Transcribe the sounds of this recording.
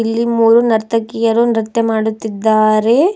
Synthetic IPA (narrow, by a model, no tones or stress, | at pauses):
ilːimmuːɾunɐɾt̪ʰɐkijɐɾunɾɐt̪jɐmaːɽut̪ːid̪ːaːɾe̞